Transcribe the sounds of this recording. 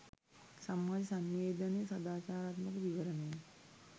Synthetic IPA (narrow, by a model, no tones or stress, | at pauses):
sɐmːɐd͡ʒsɐmʋeːd̪ɐnesɐd̪aːt͡ʃaːɾaːt̪mɐkʋiʋɐɾɐnej